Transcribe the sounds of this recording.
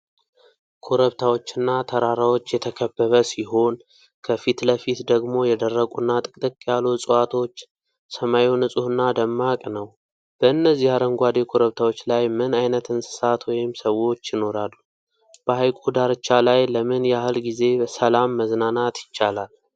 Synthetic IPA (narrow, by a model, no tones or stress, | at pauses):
kʰoɾəβt̪ʰawo̞t͡ʃːɨnːat̪ʰəɾaɾawo̞t͡ʃːjɛt̪ʰəkʰəbːəβəsiɦo̞n | kʰəfit̪ləfit̪d̪əɡmo̞jɛd̪ərːəkʼunːat̪ʼɨkʼt̪ʼɨkʼjalusʼəwat̪ʰo̞t͡ʃː | səmajewnɨsʼuhɨnːad̪əmːakʼnəw | b̥əɨnːəzːihaɾəŋɡʷad̪ekʰoɾəβt̪ʰawo̞t͡ʃːlajmɨnajnət̪ʰɨnsɨ̥sat̪wɔjɪmsəwo̞t͡ʃːjɪno̞ɾalːu | b̥əhajkʷʼud̪aɾɨt͡ʃːalajləmɨnjɛahɨlɡize̞səlamːəznanat̪jɪt͡ʃːalal